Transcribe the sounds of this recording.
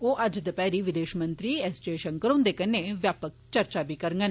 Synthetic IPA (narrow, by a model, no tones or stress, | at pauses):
oːʔɐd͡ʒd̪əpɛːɾiʋɪd̪eːʃmə̃nt̪ɾiɛst͡ʃeːʃənkəɾõːnd̪eːkənːeʋjaːpək̚t͡ʃɐɾt͡ʃabʱiːkɐɾŋɡən